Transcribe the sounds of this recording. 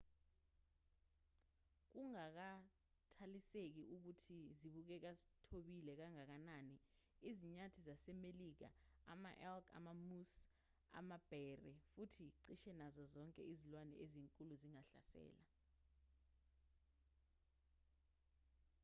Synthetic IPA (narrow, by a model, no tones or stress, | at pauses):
k̬uŋak̬a | tʰalisek̬iʔuk̬utʰiziɓuk̬ɛk̬azi̥tʰoɓilɛk̬aŋak̬anani | iziɲatʰizasɛmelik̬a̰a̰maʔɛlka̰mamus | a̰mab̥ʱɛrɛfutʰiǀiʃɛnazɔzɔŋkʼɛ̰izilwanɛ̰ʔeziŋkʼuluziŋaɬa̰sɛ̰ːla